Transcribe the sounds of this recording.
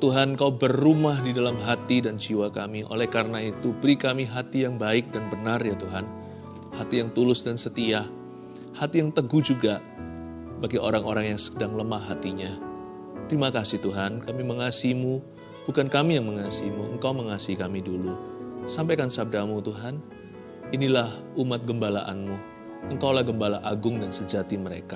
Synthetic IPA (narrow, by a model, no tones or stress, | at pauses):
t̪uɦankaubərːumahdidalamɦat̪idand͡ʒiwakamiʔo̰lɛhkaɾənait̪ubəɾikamiɦat̪ijaŋbaɪk̚danbənarjat̪uɦan | hat̪ijaŋt̪ulʊsdansət̪iah | hat̪ijaŋt̪əɡuhd͡ʒuɡa | baɡiʔoɾaŋoɾaŋjaŋsə̥daŋləmaɦːat̪iɲa | t̪ɾimakasɪht̪uɦankamiməŋasimu | b̥ukankamijaŋməŋasiimuə̰ŋkawməŋasiikamidulusampajkansab̚damut̪uɦan | inilah | umat̪̚ɡəmbalaʔa̰nmu | əŋkawlahɡəmbalaʔaɡʊŋdansəd͡ʒat̪iməɾḛka